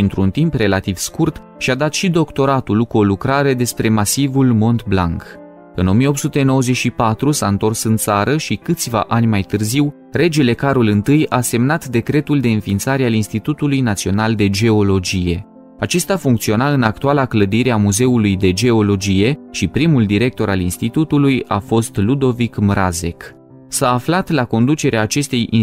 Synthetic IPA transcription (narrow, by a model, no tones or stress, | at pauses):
int̪ɾunt̪impre̞lat̪iv̥skurt̪ | ʃiad̪at̪ʃid̪o̞kt̪o̞ɾat̪ulkuo̞lukɾaɾe̞d̪e̞spɾe̞masivulmo̞nt̪blaŋk | ɨno̞mijeo̞pt̪sut̪e̞no̞wəze̞ʃipat̪ɾusaɨnt̪o̞rsɨnt̪saɾəʃikɨt̪sʲva̰ʔanʲmajt̪ɨrziw | ɾe̞d͡ʒele̞kaɾulɨnt̪ɨjase̞mnat̪d̪e̞kɾe̞t̪uld̪e̞ɨnfint̪saɾealinst̪it̪ut̪ulujnat̪sio̞nald̪e̞d͡ʒe̞o̞lo̞d͡ʒije̞̰ | at͡ʃe̞st̪afuŋkt̪sio̞naɨnak̚t̪ualakləd̪iɾe̞amuze̞ulujd̪e̞d͡ʒe̞o̞lo̞d͡ʒije̞ʃipɾimuld̪iɾe̞k̚t̪o̞ɾalinst̪it̪ut̪uluja̰fo̞st̪lud̪o̞vikmɾaze̞k | saːflat̪lako̞nd̪ut͡ʃe̞ɾeaːt͡ʃe̞st̪e̞jḭ